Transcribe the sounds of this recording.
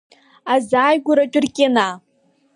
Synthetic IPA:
azaːjɡʷʊɾat͡ʃʼɪrkʲʼena

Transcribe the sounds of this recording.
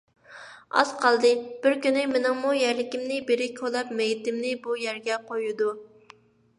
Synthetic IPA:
ɑ̰z̥qʰɑlˠd̪ɨb̥ɪɾkʲynɪmɪnɪŋmujæɾlɪkʲimnɪbeɾɪkʲʰolˠɑpmɛjt̪ɪmnɪbujæɾɡʲɛqʰojud̪u

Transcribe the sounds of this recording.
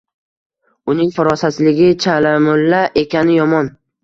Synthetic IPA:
ʊnɪŋfʊɾɒsasɪlɪɡʲɪt͡ʃʰalamʊlːaʔe̞kʲanɪjɒmɒn

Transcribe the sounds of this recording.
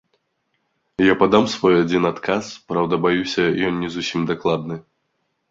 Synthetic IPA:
japad̪amsvɔjad͡zʲinat̪kʰaspɾawd̪ɐbajusʲɐjɔnːʲɛzusʲimd̪aklˠad̪nɨ

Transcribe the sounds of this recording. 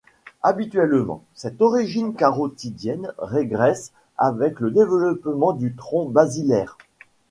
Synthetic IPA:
abit̪ɥɛlmɑ̰̃sɛt̪ɔʁiʒinkaʁot̪id̪jɛnʁeɡʁɛs | avɛkləd̪evəlɔpmɑ̃d̪yt̪χɔ̃bazilɛːʁ

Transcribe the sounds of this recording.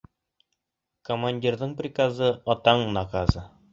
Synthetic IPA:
komanʲdʲirðɤɴprʲikazɤɒt̪ɑɴnakazɤ

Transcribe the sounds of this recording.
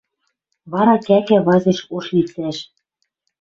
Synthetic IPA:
βɑɾɑkækæβɑzĕʃoʃlit͡sæʃ

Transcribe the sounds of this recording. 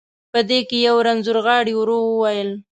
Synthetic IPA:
pəd̪ekejawɾanzuɾɣɑɽiwɾowəwajəl

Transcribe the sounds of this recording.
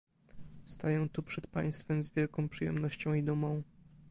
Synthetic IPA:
st̪ajɛ̃w̃t̪upʂɛt̪̚pa̰j̃st̪fɛmzvʲjɛlkɔ̃w̃pʂɨjɛ̰mnɔɕt͡ɕɔ̃w̃id̪umɔ̃w̃

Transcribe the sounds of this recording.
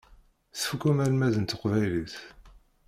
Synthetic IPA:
sfukumælmæðənt̪ːəqvæjliθ

